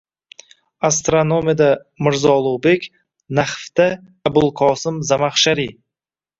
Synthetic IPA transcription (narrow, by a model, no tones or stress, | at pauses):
ast̪ɾanomed̪a | mɪɾzɒlˠʊbe̞kʲ | naχft̪a | abʊlˠqʰɒsɪmzamaχʃaɾi